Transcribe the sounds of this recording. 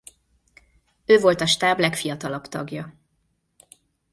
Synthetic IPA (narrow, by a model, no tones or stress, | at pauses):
øːvo̞lt̪ɒʃt̪aːblɛkfijɒt̪ɒlɒbt̪ɒɡjɒ